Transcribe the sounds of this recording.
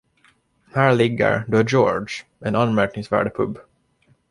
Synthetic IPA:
hæːɾɭɪɡːə̰ɾd̪œjoːɖʂ | ɛnanːmæɾknɪŋsvæ̰ːɖpʰɵ̰bː

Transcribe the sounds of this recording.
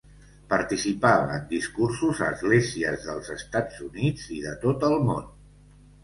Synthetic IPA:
pəɾt̪isipaβəːnd̪iskursuzə̰ːzɣleziəzðəlˠzəst̪ad͡zunid͡ziðət̪ot̪əlˠmon

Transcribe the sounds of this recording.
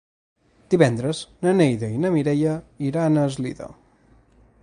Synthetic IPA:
d̪̥iβɛnd̪ɾəznənejðəinəmiɾɛjəiɾanəzlḭðə̰

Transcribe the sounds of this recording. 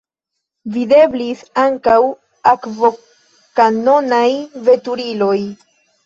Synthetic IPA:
vide̞blisaŋkaw | akvo | kano̞najve̞tuɾilo̞j

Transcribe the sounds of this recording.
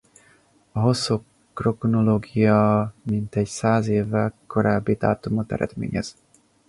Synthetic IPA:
ɒɦo̞sːo | kro̞knoloːɡijɒmint̪ɛcsaːzeːvːɛlko̞ɾaːbːid̪aːt̪omot̪ɛ̰ɾɛ̰d̪mḛːɲɛz̥

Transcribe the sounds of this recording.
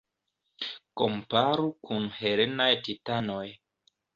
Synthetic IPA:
kompaɾukunheɾenajtitanoj

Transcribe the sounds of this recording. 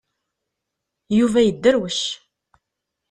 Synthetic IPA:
juvæjəd̪ːəɾwəʃ

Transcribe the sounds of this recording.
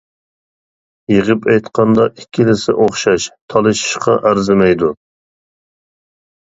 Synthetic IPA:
jeʁɨpɛjt̪qʰɑnd̪ɑʔikʲʰːilɪsɪ̰ʔoχʃɑʃt̪ʰɑlˠɨʃi̥ʃqɑʔæɾzɪmɛjd̪u

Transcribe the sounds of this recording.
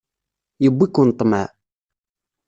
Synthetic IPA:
jəbʷːikːunt̪ˤːmæ

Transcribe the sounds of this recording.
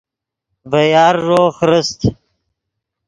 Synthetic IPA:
vɐjɑːɾːoːχɾəst̪

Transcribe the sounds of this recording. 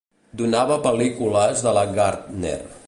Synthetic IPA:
d̪unaβəpəlikuləzðələɡaɾt̪nḛr

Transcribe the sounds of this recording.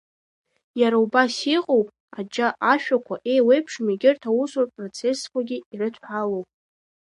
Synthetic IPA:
jaɾaubasiqʼowpʼ | ad͡ʒaʔaʃᶣakʷaʔe̞jwejpʰʂmiɡʲɪrtʰawusorpʼro̞t͡sʰe̞skʷʰaɡʲiiɾɨtʰħalowpʼ

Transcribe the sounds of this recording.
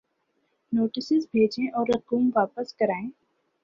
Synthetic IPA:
noːʈɪsɪzbʱeːd͡ʒẽʔɔːɾɐquːmʋaːpəskɐɾaːẽː

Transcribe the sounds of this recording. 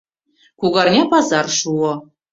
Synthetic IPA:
kuɣɑrnʲepɑzɑrʃuɤ̆

